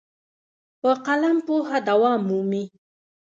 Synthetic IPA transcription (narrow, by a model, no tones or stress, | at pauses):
pəqalampoɦad̪awɑmːumi